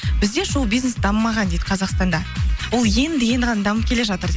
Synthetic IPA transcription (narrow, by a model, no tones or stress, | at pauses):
b̥ɪzd̪e̞ʃulˠbijznesd̪ɑmmːɑʁɑnd̪e̞jd̪̥ɪ̥qʰɑzɑqst̪ɑnd̪ɑwolˠje̞nd̪eɡʲe̞nd̪ʁɑnd̪ɑməp̚kʰʲele̞ʒɑt̪əɾd̪e